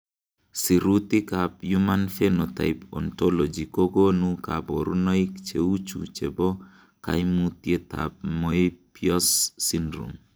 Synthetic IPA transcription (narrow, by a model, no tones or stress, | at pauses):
siɾut̪ɪkapjumanfenota̰ɪpɔ̰ntɔlɔd͡ʒikoɡonuka̰bɔɾunɔɪkt͡ʃeut͡ʃṵt͡ʃebɔ | ka̰jmut̪jet̪a̰p̚mɔipjɔsːindɾṵm